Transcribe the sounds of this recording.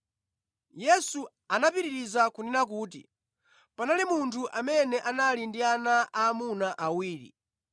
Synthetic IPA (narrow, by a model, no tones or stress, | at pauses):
jɛsu | anapiɾiɾizakuninak̬uːt̬ḭ | panalimuntʰuʔamɛnɛʔanalindianaaːmunaʔawiːɾḭ